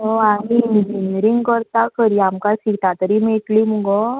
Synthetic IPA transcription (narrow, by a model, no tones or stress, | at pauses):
oamind͡ʒinɾĩŋɡkəɾt̪akəɾiamkasikt̪at̪əɾimeklimũɡo